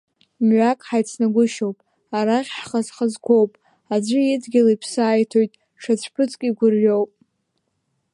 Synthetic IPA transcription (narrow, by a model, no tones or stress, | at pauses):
mɥakʼħajt͡sʰnaɡʷʊʃowpʼ | aɾaχʲħχazχazɡʷo̞wpʼ | ad͡ʒʷɨjɪdɡʲɪlaipʰsaːjtʰo̞jtʼ | ʈ͡ʂʰat͡ɕʷʰpʰɨt͡sʼkʼiɡʷʊrɥowpʼ